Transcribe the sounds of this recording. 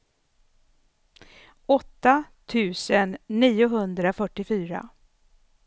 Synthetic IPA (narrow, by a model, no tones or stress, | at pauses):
ɔt̪ːat̪ʰʉ̟ːsənːiːʊɦɵnd̪ɾafœʈːɪfyːɾa̰